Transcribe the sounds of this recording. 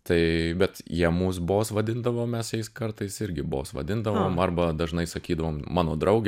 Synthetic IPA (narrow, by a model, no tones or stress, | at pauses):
t̪ɐɪbʲɛt̪jiɛmuːs̬boːsʋɐd̪ʲɪnd̪ɐʋoːmʲɛsjɛɪskɐɾt̪ɐɪsɪɾʲɡʲɪbo̰ːsʋɐ̰d̪ʲɪnd̪ɐʋoːmɐɾbɐd̪ɐʒnɐɪsɐkʲiːd̪ɐʋoːmmɑːnoːd̪ɾɐʊɡʲ